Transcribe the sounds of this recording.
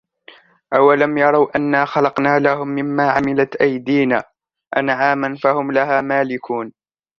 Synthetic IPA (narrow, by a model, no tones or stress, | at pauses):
ʔawalamjɑɾˤɑwʔanːaːxɑlɑqnaːlahʊmːɪmːaːʕamɪlat̪ʔajd̪iːnaː | ʔanʕaːmanfahʊmlaɦaːmaːlɪkʰuːn